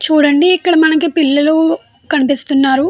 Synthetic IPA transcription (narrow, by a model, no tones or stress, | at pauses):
t͡ʃuːɽɐɳɖiːkːɐɽɐmɐnɐkipilːɐlu | kɐnipist̪unːaːɾu